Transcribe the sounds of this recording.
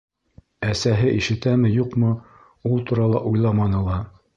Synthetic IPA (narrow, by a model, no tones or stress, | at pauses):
æsæɦɘʔiʃɘ̆t̪æmɘjuqmɤ | ulˠt̪uɾɑlˠɑʔujlˠɑmɑnɤ̆lˠɑ